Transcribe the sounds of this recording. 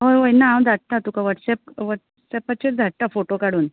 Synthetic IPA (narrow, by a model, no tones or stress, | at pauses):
ɦojɦojnaãw̃d̪ʱaʈ̚t̪at̪ukaʋəʈsɛp̚ʋəʈ | sɛpat͡ɕed̪ʱaʈ̚ʈ̪afoʈokaɽuːn